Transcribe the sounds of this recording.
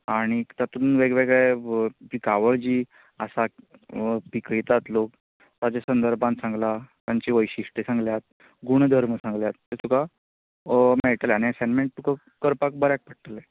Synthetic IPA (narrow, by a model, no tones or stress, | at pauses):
aɽ̃it̪at̪uːnʋeɡʋeɡɭepikaʋəɭd͡ʑiː | əsa | pikəit̪at̪lok | t̪ad͡ʑesənd̪əɾbãnsãŋɡlat̪aɲt͡ɕiʋəjɕiʂʈisãŋɡljat̪̚ | ɡuɳ̃d̪ʱəɾməsãŋɡljat̪ːesuka | mɛɭʈ̪əljaniɛsɛnmẽɳʈ̚t̪ukə | kəɾpak̚bəɾjak̚pəʈ̚t̪əle